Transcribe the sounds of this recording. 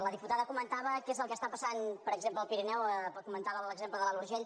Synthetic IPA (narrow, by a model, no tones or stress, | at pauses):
ləðiput̪aðəkumənt̪aβəkezəlˠkəst̪apəsanpəɾəɡzempləːlˠpiɾinɛwkumənt̪aβələɡzempləðəalˠuɾʒeʎ